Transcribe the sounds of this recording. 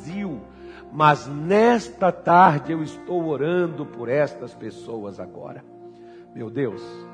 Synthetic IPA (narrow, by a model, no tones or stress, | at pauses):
ziw | mɐznɛst̪ɐt̪aɾd͡ʒɪewɪst̪owoɾɐ̃nd̪ʊpoɾɛst̪ɐspesowɐza̰ɡɔ̰ɾɐ | mewd̪ews